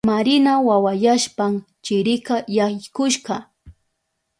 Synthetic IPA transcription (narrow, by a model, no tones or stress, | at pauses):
maɾɪnawawajaʃpam | t͡ʃɪɾɪkajaɪkʊʃɢɑ